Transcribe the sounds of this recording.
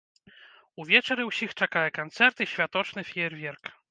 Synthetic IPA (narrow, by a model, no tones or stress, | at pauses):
uvʲjɛt͡ʂɛɾɛwɕixt͡ʂɛkajɛkɔnt̪sɛɾt̪ɨɕfʲat̪ɔt͡ʂnɛfʲɛɛɾvʲjɛɾk